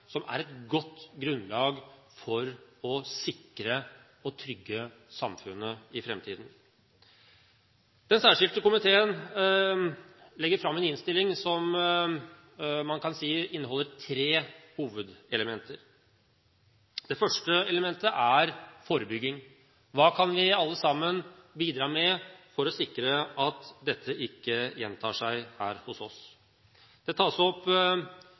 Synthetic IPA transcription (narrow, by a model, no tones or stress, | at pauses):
sɔmʔæ̰ɾɛt̪ɡɔt̪ːɡɾʉnlɑːɡ | fɔɾɔsɪkɾə | ɔt̪ʰɾʏɡːə | sɑmfʉnːəɪfɾɛmt̪ʰiːd̪n̩ | d̪̥ɛnsæːʂɪlt̪əkʊmɪt̪ʰeːən | lɛɡːəɾfɾɑmːɛnɪnst̪ɪlɪŋsɔm | mɑnkʰɑnsiːɪnːəɦɔlːəɾt̪ʰɾeːhuːʋəd̪ɛləmɛnt̪ʰəɾ | d̪̥ɛfœʂʈəɛləmɛnt̪əʔæɾfoːɾəbʏɡːɪŋ | ʋɑːkʰɑnʋɪɑlːəsɑmːənbiːd̪ɾɑːmɛfɔɾɔsɪkɾəɑt̪d̪ɛt̪ʰːəʔɪkːəjɛ̰nt̪ʰɑ̰ːʂæɪhæːɾhʊsɔs | d̪̥ɛt̪ʰɑːsɔpː